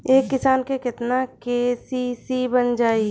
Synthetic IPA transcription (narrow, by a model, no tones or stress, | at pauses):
eːkːɪsaːnkekɪt̪nakesisibənd͡ʒaːi